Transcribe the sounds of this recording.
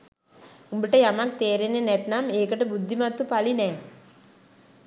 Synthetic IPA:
umbiʈəjamak̚t̪eːɾenːenɛt̪nameːkəʈəbud̪ʱːimat̪ːupalinɛː

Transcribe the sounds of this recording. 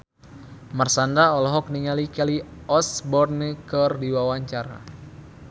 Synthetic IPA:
mərsandaɔlɔɦɔk̚niŋalikaliɔsbɔrnikərdiwawaɲt͡ʃaɾa̰

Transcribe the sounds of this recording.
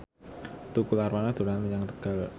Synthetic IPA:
t̪ukularwanad̪̥ṳlanməjaŋt̪ə̥ɡ̥al

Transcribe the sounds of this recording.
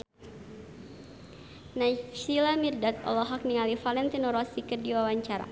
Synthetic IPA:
nasilamirdat̪̚ɔ̰lɔɦak̚nialifalɛnt̪inɔɾɔsikərdiwawaɲt͡ʃaɾa̰

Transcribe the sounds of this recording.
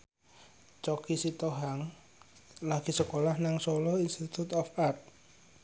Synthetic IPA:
t͡ʃɔkisit̪oɦaŋ | laɡ̥i̤səkolahnaŋsɔlɔinst̪it̪ut̪ɔfart̪̚

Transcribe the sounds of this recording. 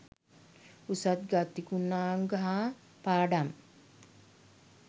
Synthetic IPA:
usat̪ɡat̪ikunːaːŋɡaɦa | paːɖam

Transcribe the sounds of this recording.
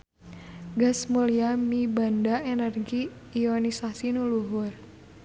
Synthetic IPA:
ɡasmuliamibandaenɛrɡiː | onisasinuluɦʊr

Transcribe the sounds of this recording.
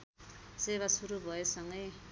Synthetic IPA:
seβasuɾubʱʌesʌŋɡʌj

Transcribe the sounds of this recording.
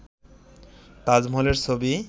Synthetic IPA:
t̪ad͡ʑmoleɾt͡ɕʰobi

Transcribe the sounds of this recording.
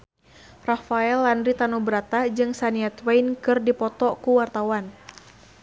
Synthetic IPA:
rafaɛlːandɾit̪anubɾat̪ad͡ʒɨŋsaniat̪wajnkɨrdipɔt̪ɔkuwart̪awan

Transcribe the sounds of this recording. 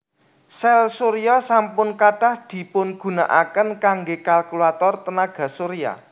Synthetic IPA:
sɛlsoɾiɔsampʊnkaɖ̥a̤hd̪̥i̤pʊnɡ̥ṳna̰ʔa̰kənkaŋɡekalkulat̪ɔrt̪ənaɡ̥a̤soɾia̰

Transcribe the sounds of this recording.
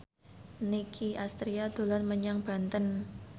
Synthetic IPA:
nikʰiast̪ɾiad̪̥o̤lanməɲaŋb̥a̤nt̪ən

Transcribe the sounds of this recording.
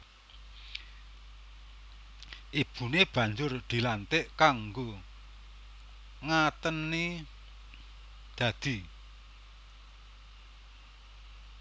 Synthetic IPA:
ʔib̥ṳneb̥ä̤ɲd͡ʒʊrd̪̥i̤lant̪ɪʔkaŋɡo | ŋat̪ənːi | d̪̥ä̤d̪̥i̤

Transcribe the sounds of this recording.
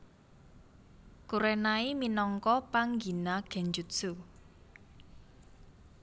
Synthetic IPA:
kuɾɛnaiminɔŋkɔpaŋɡinaɡ̥ɛ̤ɲd͡ʒutsu

